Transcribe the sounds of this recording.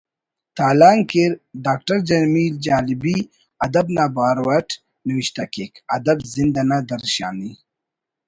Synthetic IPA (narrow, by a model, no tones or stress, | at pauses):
t̪aːlaːŋkeɾɖaːk̚ʈɐɾd͡ʒɐmiːld͡ʒaːlibi | ɐd̪ɐbnaːbaːɾwɐʈ | niwiʃt̪ɐkekɐd̪ɐbzind̪ɐnad̪ɐɾʃa̰ːni